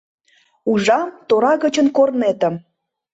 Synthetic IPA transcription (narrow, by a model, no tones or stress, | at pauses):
uʒɑmt̪oɾɑɣət͡ɕənkornet̪ə̆m